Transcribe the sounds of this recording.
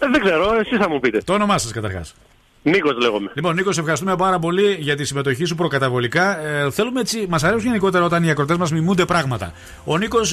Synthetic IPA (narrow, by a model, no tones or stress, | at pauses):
ðeɡze̞ɾoesisθɐmupit̪et̪o̞ːno̞mɐsɐskɐt̪ɐɾxɐ̰s | niko̞zle̞ɣomelipo̞nːiko̞s̬efxɐɾist̪umepɐɾɐpo̞liʝɐt̪isime̞t̪o̞çis̬upɾokɐt̪ɐvo̞likɐθe̞lumeet͡simɐsɐɾsunʝeniko̞t̪eɐo̞t̪ɐniɐkɾo̞t̪e̞zmɐzmimund̪e̞pɾɐɣmɐt̪ɐ̰ | o̞niko̞s